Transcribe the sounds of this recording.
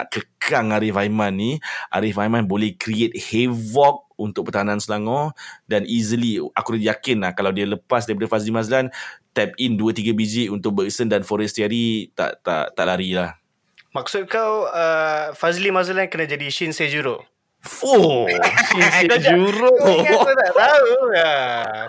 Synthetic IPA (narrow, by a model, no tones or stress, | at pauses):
a̰ʔkəkʰaŋaɾɪfajmãnːiʔa̰ɾɪfajmãnbolɛhkɾiet̪̚hevɔk̚unt̪ʊk̚pərt̪aɦanãnsəlaŋɔ̃danizəlia̰kuɾat̪jakɪnlahkalawdialəpas̬daɾipadəfazilimazəlant̪ɛp̚induət̪iɡabid͡ʒiunt̪ʊk̚bəksəndanfɔɾɛst̪iaɾit̪a̰ʔt̪a̰ʔt̪aʔlaɾilah | mãk̚sʊt̪̚kawəfazilimazəlankənãd͡ʒadiʃinsed͡ʒuɾʊʔ | oʃinead͡ʒuɾʊʔt̪aʔt̪aua